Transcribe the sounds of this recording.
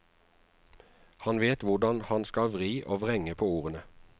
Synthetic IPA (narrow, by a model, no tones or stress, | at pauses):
hɑnʋeːt̪ʋʊʁd̪ɑnhɑnskɑʋʁiːʔoːʋʁɛŋəpʰoːuːʁənə